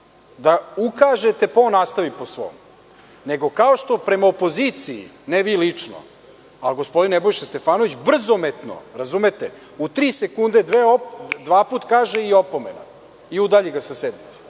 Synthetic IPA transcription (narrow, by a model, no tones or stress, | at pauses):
d̪aukaʒet̪e̞po̞nast̪aʋiposʋo̰ːm | ne̞ɡo̞kaoʃt̪o̞pɾe̞maopo̞zit̪siḭneʋilit͡ʂno̞̰ | alɡo̞spo̞d̪inebo̞jʃest̪e̞faːno̞ʋit͡ɕbr̩zo̞met̪no̞̰ɾazuːmet̪e | ut̪ɾiːsekund̪ed̪ʋeod̪ʋaːpuːt̪kaːʒeiopomḛna̰ | iud̪aʎeɡasased̪nit̪sḁ